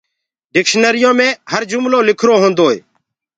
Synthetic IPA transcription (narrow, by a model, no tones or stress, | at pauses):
ɖɪkʃnəɾɪjõːmẽːhəɾd͡ʒʊmloːlɪkʰɾoːɦõːnd̪oːḛː